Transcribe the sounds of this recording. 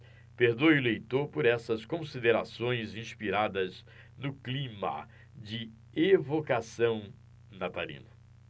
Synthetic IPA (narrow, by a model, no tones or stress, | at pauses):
peɾd̪ojʊlejt̪oɾpoɾɛsɐskõsid̪eɾasõj̃zĩspiɾad̪ɐz | nʊklĩmɐ̰ | d͡ʒɪ | evokasɐ̃w̃ | nat̪alḭ̃nʊ